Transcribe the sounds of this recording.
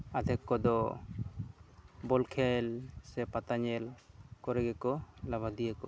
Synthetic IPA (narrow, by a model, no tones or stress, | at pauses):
ad̪ʱɛkːɔd̪ɔ | bɔlkʰɛlsɛpat̪aɲɛlkɔɾɛɡɛkɔlabad̪ijəkɔ̰